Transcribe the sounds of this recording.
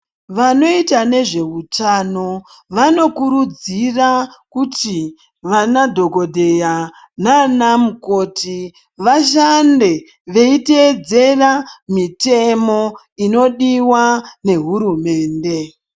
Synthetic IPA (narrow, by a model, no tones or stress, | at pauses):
ʋano̞itane̞ʐe̞ɦutano̞ | ʋano̞kuɾud͡zirakuti | ʋanadʱo̞ɡʱo̞dʱe̞ja | nanamukoːti | ʋaʃande̞ | ʋe̞iteːd͡ze̞ramite̞mo̞ | ino̞ɗiwane̞ɦuɾume̞ːnde̞